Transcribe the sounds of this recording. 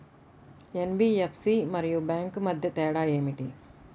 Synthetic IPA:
enbiːefsiːmɐɾijubaːŋkmɐd̪ʱjɐt̪ɛːɽaːeːmiʈi

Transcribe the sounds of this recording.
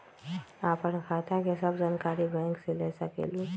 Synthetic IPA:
aːpənkʰat̪ʰakesɐbd͡ʒaːnkaːɾibɛ̃ːŋkseleːsɐkḛlo

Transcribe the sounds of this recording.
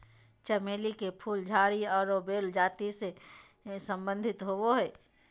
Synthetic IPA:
t͡ʃɐmeːlikepʰuːld͡ʒʱaːɾiɔːɾobeːld͡ʒaːt̪ise | sə̃mbə̃nd̪ʱɪt̪ɦooɦɛː

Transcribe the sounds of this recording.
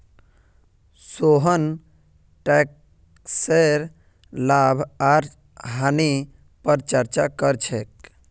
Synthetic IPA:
soɦən | ʈɛk | seɾ | labʱaɾ | ɦani | pəɾt͡ʃəɾt͡ʃakəɾt͡ʃʰɛk

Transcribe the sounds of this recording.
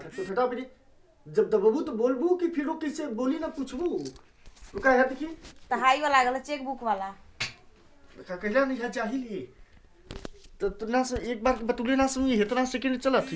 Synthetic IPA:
səpʰeʈapini | d͡ʒəb̚d̪əbəbut̪bolbukipʰiɾokisebolinaput͡ʃʰbu | ukaɦet̪kʰit̪əɦaiʋalaɡələt͡ʃek̚bukʰbala | kakəɦilanəjɦʰat͡ʃaɦilji | t̪ət̪onasə̃ek̚baɾkebət̪əlenasə̃mɡiɦet̪nãsə̃kenət͡ʃələt̪ʰ

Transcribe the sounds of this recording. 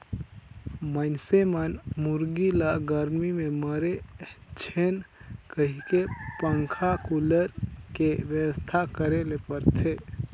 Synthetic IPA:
mənsemənmuɾɡilaɡəɾmimẽməɾet͡ʃʰenkəɦikepəŋkʰakuləɾkeʋjəwəst̪ʰakəɾelepəɾt̪ʰe

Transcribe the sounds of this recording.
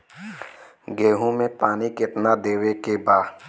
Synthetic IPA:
ɡeːɦũmẽpaːnikɪt̪nad̪eːwekebaː

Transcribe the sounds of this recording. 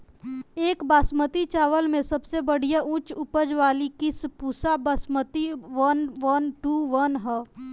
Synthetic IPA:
eːkbaːsmət̪it͡ʃaːʋəlmẽsɐbsebəɽ̤ijaʔʊ̃t͡ʃʊpəd͡ʒʋaːlikɪspuːsabɐsmət̪iʋənʋənʈuːʋənɦɛː

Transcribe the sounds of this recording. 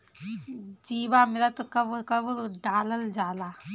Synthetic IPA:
d͡ʒiːbaːmilat̪ɐkɐbkɐbɖaːləld͡ʒaːlaː

